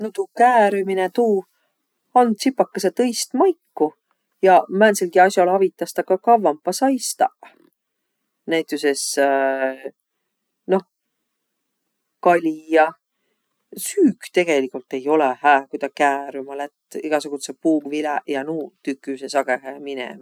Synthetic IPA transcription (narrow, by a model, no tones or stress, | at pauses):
not̪uːkæːɾyminet̪uː | ɑnd̪̥sipːˑɑkːeset̪ɤjst̪mɑjkːu | jɑmæːnsilɡiɑsjɑlɑvit̪ːˑɑst̪ɑkɑkɑvːɑmpːɑsɑjst̪ɑ̰ | næjt̪ˑuses | no̞h | kɑlʲijɑ | syːɡ̥t̪e̞ɡ̥e̞likult̪e̞jo̞lehæːkujd̪ɑkæːɾymɑlet̪ːiɡ̥ɑsuɡ̥ut̪sepuːɡvilæjɑnuːt̪ykːˑysesɑɡ̥eɦæːminḛm